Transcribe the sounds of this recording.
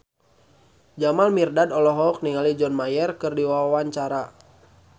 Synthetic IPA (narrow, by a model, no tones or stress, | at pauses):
d͡ʒamalmirdadɔlɔɦɔk̚niŋalid͡ʒɔnmajɛrkɨrdiwawawaɲt͡ʃaɾa